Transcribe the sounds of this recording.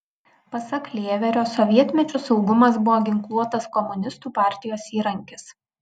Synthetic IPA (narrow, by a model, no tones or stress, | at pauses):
pɐsɐklʲeːʋʲɛɾʲoːsɔʋʲiɛt̪ʲmʲɛt͡ʃʲʊsɒʊɡʊmɐsbʊʋoːɡʲɪŋklˠuɔt̪ɐskɔmʊnʲɪst̪uːpɑːˑɾʲt̪ʲɪjoːsiːɾɐŋʲkʲɪs